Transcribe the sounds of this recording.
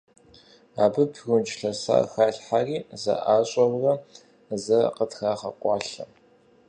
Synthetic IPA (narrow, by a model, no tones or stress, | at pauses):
aːbɨpʰɣʷʊnt͡ʃʼɬɐsa̰ːxaːɬħariːzɐ̰ʔaːɕʼɐwrɐ | zɐqətʰxaːχɐqʷʼɑːɬɐ̰